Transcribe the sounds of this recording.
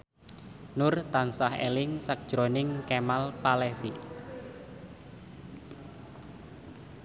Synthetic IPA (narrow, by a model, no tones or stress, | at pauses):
nʊrt̪ansahḛlɪŋsak̚d̥ʒ̥ɾonɪŋkemalpalɛfi